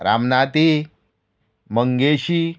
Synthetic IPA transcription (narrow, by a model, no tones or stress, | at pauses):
ɾa̰mnat̪i | məŋɡeɕi